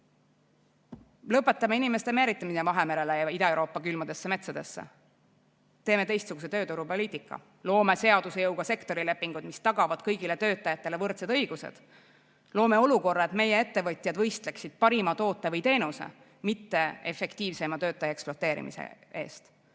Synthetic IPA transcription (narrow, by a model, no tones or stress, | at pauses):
lɤpːˑe̞t̪ːˑɑmeinime̞st̪e̞meɾit̪ːˑɑmisevɑɦe̞meɾe̞lejɑid̪ɑewɾo̞ːpːˑɑkylmɑd̪e̞sːeme̞t̪sɑd̪̥e̞sːḛ | t̪eːme̞t̪e̞jst̪suɡ̥uset̪øːt̪uɾupo̞liːt̪ˑikːˑɑ̰ | lo̞ːme̞se̞ɑd̪̥use̞jɤwɡ̥ɑse̞kt̪o̞ɾile̞pːiŋɡ̥ud̪̥mist̪ɑɡ̥ɑvɑd̪̥kɤjɡ̥ile̞t̪øːt̪ːˑɑjɑt̪ˑːe̞le̞vɤrt̪sed̪ɤ̞jɡ̥usḛd̪̥ | lo̞ːme̞o̞luko̞rːɑe̞t̪me̞jee̞t̪ːe̞vɤt̪ʲˑjɑd̪vɤ̞jst̪leksid̪̥̚pɑɾimɑt̪o̞ːt̪ːˑe̞vɤjt̪e̞ːnusḛ | mit̪ːe̞efe̞kt̪iːvsemɑt̪ø̞ːt̪ːˑɑjɑeksplot̪ːˑe̞ːɾḭmḭsḛe̞̰ːst̪